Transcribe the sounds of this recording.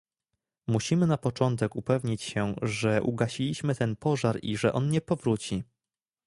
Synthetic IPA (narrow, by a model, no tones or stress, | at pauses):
muɕimɘnapɔt͡ʂɔnt̪ɛkupɛvɲit͡ɕɕɛʐɛʔṵɡaɕilʲiɕmɘt̪ɛnpɔʐaɾiʐɛʔɔnɲɛpɔvɾut͡ɕi